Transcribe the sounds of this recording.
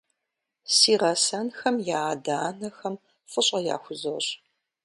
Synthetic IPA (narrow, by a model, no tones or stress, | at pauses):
siːrɐsɐnxɐmjaːdaːnɐxɐm | fɨɕʼɐja̰ːxʷʊzowɕʼ